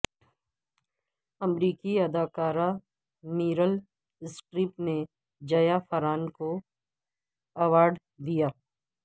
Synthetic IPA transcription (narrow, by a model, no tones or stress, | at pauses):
ɐmɾiːkiɐd̪aːkaːɾa | miːɾəl | ɪsʈɾiːpne | d͡ʒɐjafɐɾaːnko | ɐʋaːɾɖ | d̪ijaː